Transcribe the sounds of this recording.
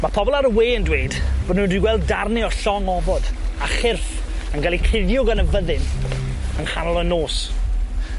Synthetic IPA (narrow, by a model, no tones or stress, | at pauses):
mapʰɔbɔlˠaɾəweːəndweɨd̥b̥ɔdnundwiɡwɛlˠdːarnɪɔɬɔŋɔvɔd̥aχɪrf | ənɡalˠikʰɪðjʊɡanəvəðɪn | ənhanɔlˠɔnoːs